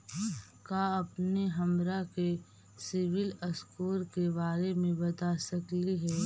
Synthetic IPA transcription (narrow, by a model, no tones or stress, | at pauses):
kaːɐpneɦɐmɾake | sɪʋɪləskuːɾkebaːɾemẽbɐt̪asəkliɦɛː